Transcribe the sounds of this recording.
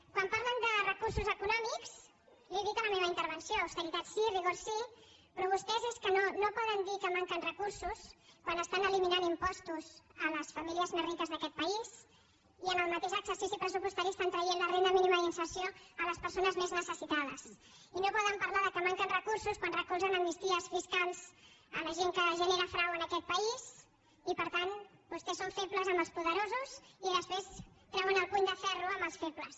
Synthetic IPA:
kwampaɾlənd̪ərəkuɾsuzəkunɔmiks | lieðit̪ələmeβ̞əint̪əɾβənsioːwst̪əɾit̪at̪siriɣoɾsipɾɔβ̞ust̪ɛzeskənonopɔðənd̪ikəmaŋkənrəkuɾsuskwanəst̪anəliminanimpɔst̪uzələsfəmiliəznərit̪əzðəkɛt̪̚pəiz | iənəlˠmət̪eʃəksəɾsisipɾəsupust̪əɾist̪ant̪ɾəjenlərend̪əminiməðinsəɾsioələspəɾsonəzmeznəsəsit̪að̞əs | inopɔðəmpəɾlaðəkəmaŋkənrəkuɾsuskwanrəkuzənəmnist̪iəsfiskalˠzə̰ləʒeŋkəʒəneɾəfɾawənəkɛt̪̚pəiz | ipəɾt̪anbust̪esoɱfepləzəmbəlˠspuðəɾozuziðəspɾest̪ɾɛwənəlˠpuɲd̪əfɛruəmbəlˠsfepləs

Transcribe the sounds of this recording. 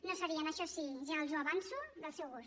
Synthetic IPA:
nosəɾiənəʃɔsiʒalˠzuɐβ̞ansuðəlˠsɛwɣus

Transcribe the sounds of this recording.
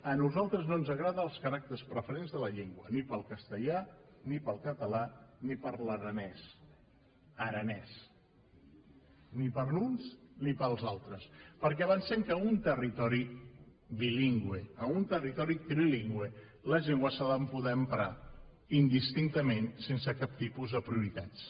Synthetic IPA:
ənuzalˠt̪ɾəznoənzəɣɾaðəːlˠskəɾak̚t̪əɾspɾəfəɾenzðələʎeŋɡwənipəlˠkəst̪əʎanipəlˠkət̪əlanipəɾləɾənɛs | əɾənɛs | nipəɾlunsnipəlˠzalˠt̪ɾəspəɾk̬ɛəβənsɛmkəunt̪ərit̪ɔɾi | βiliŋɡweəunt̪ərit̪ɔɾik̪ɾiliŋɡwe | ləʎeŋɡwəsaðəmpuðɛəmpɾa | ind̪ist̪int̪əmensensəkap̚t̪ipuzðəpɾiuɾit̪at͡s

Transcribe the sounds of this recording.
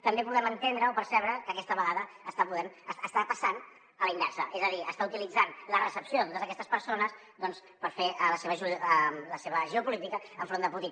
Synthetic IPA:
t̪əmbepuðɛmənt̪end̪ɾəopəɾsɛβɾəkəːkɛst̪əβəɣaðəːst̪apuðɛmsəst̪apəsan | əlinbɛɾsəʔezəðiə̰st̪aut̪ilid͡zanlərəsəpsijoðət̪ot̪əzəkɛst̪əspəɾsonəs | d̪ɔns | pəɾfeələseβəʒuəmləseβəʒəupulit̪ikəəɱfɾond̪əput̪i

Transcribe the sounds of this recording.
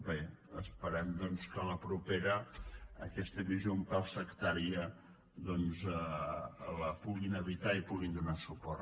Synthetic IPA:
be | əspəɾɛmd̪ɔnskələpɾupeɾəəkɛst̪əβizjompalˠsəkt̪aɾiə | ðɔnzə | ləpuɣinəβit̪aipuɣind̪unasupɔr

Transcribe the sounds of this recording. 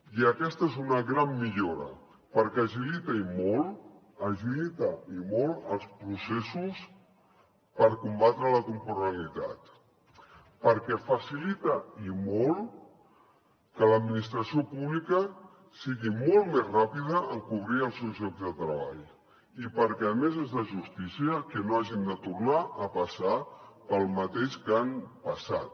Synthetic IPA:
iəkɛst̪əezunəɣɾamːiʎoɾə̰ | pəɾkɛəʒilit̪əimɔlˠ | əʒilit̪əimɔlˠəlˠspɾusesus | pəɾkumbat̪ɾələkumpuɾəlit̪a̰t̪ | pəɾkɛfəsilit̪əimɔlˠ | kələd̪minist̪ɾəsiopuβlikə | siɣimolˠmezrapiðəʔəŋkuβ̞ɾiəlˠsewzʎɔɡzðət̪ɾəβ̞a̰ʎ | ipəɾkɛəmezezðləʒust̪isiəkənoaʒind̪ət̪uɾnaʔəpəsapəlˠmət̪eʃkanpəsa̰t̪̚

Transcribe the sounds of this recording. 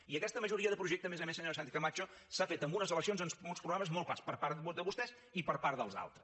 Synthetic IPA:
iəkɛst̪əməʒuɾiəðəpɾuʒɛk̚t̪əmezəmesəɲoɾs̬ant̪ikəmat͡ʃosafet̪əmbunəzələksionzənsmolˠspɾuɣɾaməzmɔlˠpa̰spəɾpaɾt̪ud̪əβust̪ɛs | ipəɾpaɾðəlˠza̰lˠt̪ɾəs

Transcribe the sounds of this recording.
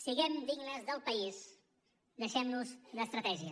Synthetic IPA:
siɣɛmd̪iɡnəzðəlˠpəis | d̪əʃɛmnuzləst̪ɾət̪ɛʒiə

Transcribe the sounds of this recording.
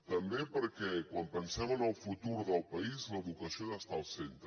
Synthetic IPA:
t̪əmbepəɾkɛkwampənsaβənəlˠfut̪uɾðəlˠpəizləðukəsioast̪aːlˠsent̪ɾə

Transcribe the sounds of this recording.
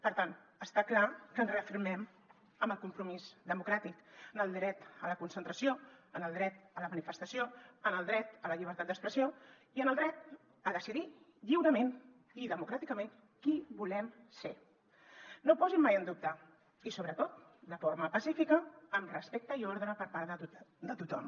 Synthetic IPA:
pəɾt̪an | əst̪aklakənzreəfiɾmɛm | əmbəlˠkumpɾumizd̪əmukɾat̪ikənəlˠd̪ɾɛt̪ələkunsənt̪ɾəsioənəlˠd̪ɾɛt̪ələmənifəst̪əsioənəlˠd̪ɾɛt̪ələʎiβ̞əɾt̪at̪̚d̪əkspɾəsio | iənəlˠd̪ɾɛt̪̚ | əðəsiði | ʎiwɾəmen | iðəmukɾat̪ikəmen | kibulɛmse | nopɔzimːajənd̪up̚t̪ə | isoβɾət̪ot̪d̪əfoɾməpəsifikəːmrəspek̚t̪əioɾðɾəpəɾpaɾəud̪ət̪ut̪ɔm

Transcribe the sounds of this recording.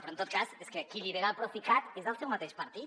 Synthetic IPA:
pɾont̪ot̪̚kazeskekiʎiβeɾapɾofikat̪ezəlˠsɛwmat̪eʃpɐɾt̪it̪

